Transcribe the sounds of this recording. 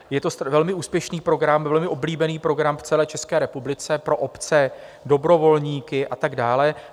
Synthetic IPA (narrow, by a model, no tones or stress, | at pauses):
jɛt̪o̞st̪vɛlmɪʔuːspjɛʃniːpɾo̞ɡɾamvɛlmɪʔobliːbɛniːpɾo̞ɡɾamft͡sɛlɛːt͡ʃɛskɛːɾɛpublɪt͡sɛpɾo̞ʔopt͡sɛ | do̞bɾo̞vo̞lɲiːkɪʔat̪aɡdaːlɛ